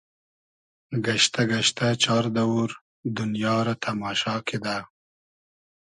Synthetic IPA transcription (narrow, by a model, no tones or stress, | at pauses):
ɡaʃt̪aɡaʃt̪at͡ʃɑːɾd̪awuɾ | d̪ʊnjɑːɾat̪ʰɐmɑːʃɑːked̪aː